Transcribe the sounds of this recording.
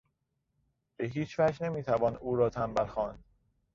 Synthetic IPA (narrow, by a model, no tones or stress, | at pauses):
b̥eɦiːt͡ʃʰvæd͡ʒne̞miːt̪ʰævɒːnuːɾɒːt̪ʰæmbælxɒːnd̪̥